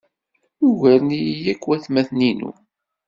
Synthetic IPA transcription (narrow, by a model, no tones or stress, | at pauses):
juʝəɾnijjækːwæθmæθninṵ